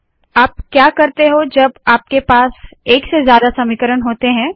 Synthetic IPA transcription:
aːp̚kjaːkɐɾt̪eɦod͡ʒɐbaːp̚kepaːseːksezjaːd̪asɐmɪkəɾəɳɦoːt̪eɦɛ̃ː

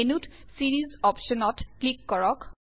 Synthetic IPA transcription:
enutsiɹizɔpʃɔnɔtklikːɔɹɔk

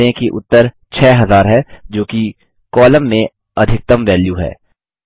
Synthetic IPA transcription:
ẽkiʔʊt̪ːəɾ | t͡ʃʰɛːɦɐzaːɾɦɛd͡ʒoːki | kɔːləmːẽ | ɐd̪ʱɪk̚t̪əmʋɛːljuɦɛ̰ː

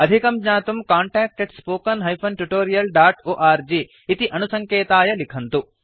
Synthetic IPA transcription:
ɐd̪ʱikɐmd͡ʒɲaːt̪umkaːɳʈaːk̚ʈeɖspoːkɐnɦɐjpʰɐnʈuʈoːɾijɐlɖaːʈoːʔaːɾd͡ʒiː | t̪iʔɐnusɐŋkeːt̪aːjɐlikʰɐnt̪u

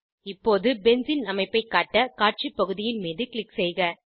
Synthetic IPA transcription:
ɪpːoːðɯbɛnsɪnɐmɐɪpːɐɪkːaːʈːɐkaːʈ̚t͡ʃipːɐɣɯðɪjɪnmiːðɯkɭɪksɛjɣɐ

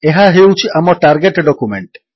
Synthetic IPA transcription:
eɦaɦewt͡ɕʰiʔamɔɾʈaɾɡeʈɖɔkumeɳʈ

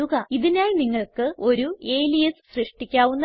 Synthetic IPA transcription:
uɣɐiðinaːjniŋːɐɭkɨo̞ɾue̞ːlijɐsɕrɨʂʈikʲːaːʋunːɐ

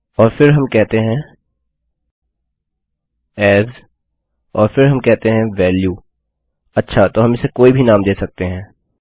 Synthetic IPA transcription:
ɔːɾfɪɾɦɐmkɛɦt̪eɦɛ̃ː | ɛːz | ɔːɾfɪɾɦɐmkɛɦt̪eɦɛ̃ʋɛːljuː | ɐtːʃʰat̪oɦɐmɪsekoːibʱinaːmd̪eːsɐk̚t̪eɦɛ̃ː

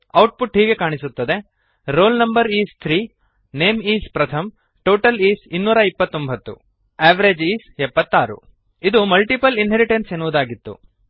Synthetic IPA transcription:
ɐwʈ̚puʈɦiːɡe̞kaːɳisut̪ːɐd̪e̞ | ɾoːlnɐmbɐɾiːst̪ʰɾiː | ne̞ːmiːspɾɐt̪ʰɐm | ʈoːʈɐliːsinːuːɾɐipːɐt̪ːo̞mbʱɐt̪ːṵ | eːʋɐɾed͡ʒiːsɛpːɐt̪ːaːɾṵ | id̪umɐlʈipɐlinɦeɾiʈensenːuʋud̪aːɡit̪ːṵ

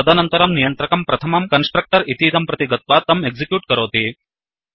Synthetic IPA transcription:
ɐd̪ɐnɐnt̪ɐɾɐmnijɐnt̪ɾɐkɐmpɾɐt̪ʰɐmɐmkɐnsʈɾɐk̚ʈɐɾit̪iːd̪ɐmpɾɐt̪iɡɐt̪̚ʋaːt̪ɐmeɡzikjuːʈkɐɾoːt̪i

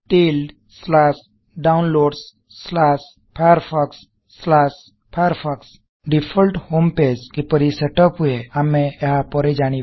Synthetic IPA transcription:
ʈilɖ | slas | ɖaunloɖsː | las | pʰajəɾfʰaksː | las | pʰajəɾfʰaks | ɖifʰəlʈhomped͡ʑkipəɾiseʈɔpɦujeamẽeɦapɔɾed͡ʒaɽ̃i

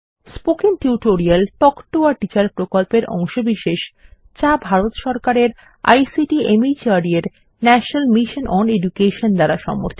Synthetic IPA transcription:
spokiŋʈiuʈoɾialʈɔkʈoaɾʈit͡ɕaɾpɾokolpeɾʔɔ̰ŋʃobiʃeʃ | t͡ɕabʱaɾot̪ʃɔɾkaɾeɾ | a̰jsiʈiemit͡ɕaɾieɾ | næʃonalmiʃonʔɔnedukeʃond̪aɾaʃɔ̰mo̰ɾt̪ʰi

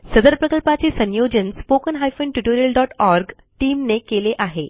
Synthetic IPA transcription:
səd̪əɾpɾəkəlpat͡ɕiːsə̃njod͡ʑənspokənɦajfəɳʈiʈoɾijəlɖɔʈɔɾɡ | ʈiːmnekeleʔaɦe

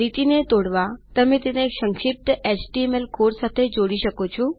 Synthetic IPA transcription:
ɾit̪inet̪oːɽʋat̪ɐm̤ẽt̪ɪneksɐ̃ŋʃɪp̚ʈ̪eːt͡ʃʈiemelkoːɾsaːt̪ʰed͡ʑoːɽiʃɐkot͡ʃʰu

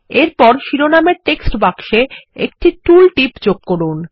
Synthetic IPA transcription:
eɾpɔɾʃiɾonameɾʈeksʈbakʃeek̚ʈiʈulʈipd͡ʑoɡ̚koɾun

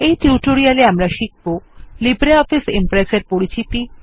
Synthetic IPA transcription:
ejʈiuʈoɾialeamɾaʃik̚bolibɾeɔfisimpɾeseɾpoɾit͡ɕʰit̪i

